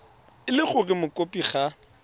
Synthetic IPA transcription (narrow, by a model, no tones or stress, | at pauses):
ɪlɪχʊrɪmʊkʼopʼiχa